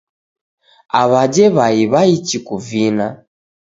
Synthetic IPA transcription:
aβad͡ʒɛβaiβait͡ʃikuvina

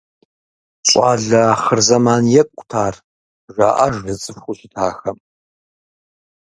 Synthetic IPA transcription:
ɕʷʼɑːɮɐχərzɐmaːnjɛkʷʼtʰaːr | ʒa̰ːʔɐʒrɨt͡sʼɨfxʷʊʃɪtʰaːxɐm

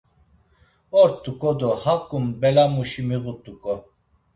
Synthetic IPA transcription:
ɔɾt̪ʼukʼɔd̪ɔhakʼumbɛlamuʃimiɣut̪ʼukʼɔ

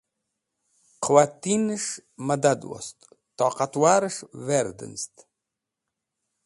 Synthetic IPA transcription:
qʰwat̪inɨʂmad̪ad̪wɔ̰st̪ | t̪ɑːqat̪waːɾɨʂvɛɾd̪ɨ̰nst̪

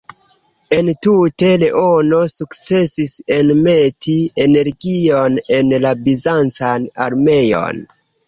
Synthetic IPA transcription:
e̞ntute̞le̞ʔo̞no̞sukt͡se̞sisenme̞tiene̞ɾɡionenlabizant͡sana̰ɾme̞jo̰n

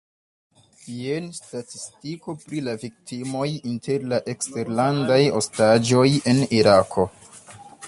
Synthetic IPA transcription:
ienstatistiko̞pɾilavik̚timo̞jintʰe̞ɾlaʔe̞kste̞ɾlandajostad͡ʒo̞je̞niɾakʰo̞

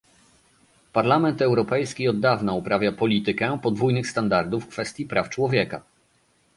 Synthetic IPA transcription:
paɾlamɛnt̪ɛwɾɔpɛjskʲiɔd̪ːavnaupɾavʲjapɔlʲit̪ɘkɛpɔd̪vujnɘxst̪and̪aɾd̪ufkfɛst̪ʲjipɾaft͡ʂwɔvʲjɛka

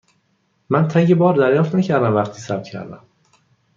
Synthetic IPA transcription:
mænt̪ʰæŋɟebɒːɾd̪æɾjɒːft̪næcʰæɾd̪æmvæχt̪ʰiːsæbt̪̚cʰæ̰ɾd̪æ̰m

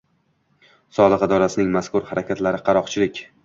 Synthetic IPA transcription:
sɒlˠɨqɪd̪ɒɾasɪnɪŋmaskʊɾhaɾakʲat̪laɾɪqʰɑɾɒqt͡ʃʰɪlɪkʲ

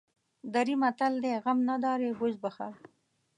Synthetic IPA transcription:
d̪aɾimat̪ald̪eɣamnad̪ɑɾewʊzbaxa̰ɾ

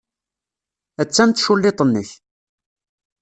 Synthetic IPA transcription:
æt͡sːænt̪ʃulːet̪ˤənːəç

